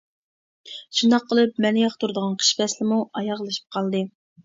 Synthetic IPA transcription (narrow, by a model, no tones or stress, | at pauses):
ʃund̪ɑqːəlˠɨp̚mɛnɪjɑχt̪uɾɨd̪əʁɑnqʰə̥ʃpɛslɪmuɑjɑʁlˠɨʃi̥p̚qʰɑlˠd̪ɨ